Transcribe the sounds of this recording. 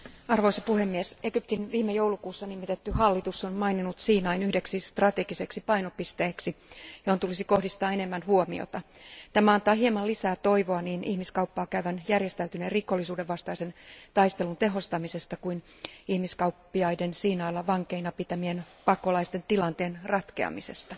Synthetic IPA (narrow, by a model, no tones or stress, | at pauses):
ɑrʋoisɑpuhe̞mːieseɡ̥yp̚t̪inʋiːmːejo̞wlukuːsːɑnimːit̪et̪ːyhɑlːit̪usːonmɑjninut̪siːnɑinyhdeksist̪rɑt̪e̞ɡiseksipɑjnopist̪eːksijohont̪ulisiko̞hdist̪ɑːene̞mːænhuomḭo̰t̪ɑt̪æmæɑnt̪ɑːhɦiemɑlisæːt̪o̞iʋoɑniːnʔihmiskɑwpːɑːkæyʋænjærjest̪æyt̪ynerriko̞lːisuːdeʋʋɑst̪ɑise̞nt̪ɑist̪e̞lunt̪e̞ɦo̞st̪ɑmise̞st̪ɑkuin | ihmiskɑupːiɑjdensiːnɑilːɑʋɑŋke̞inɑpit̪æmien | pɑko̞lɑist̪e̞nt̪ilɑnt̪e̞ːnrɑt̪ke̞̰ɑ̰mise̞st̪ɑ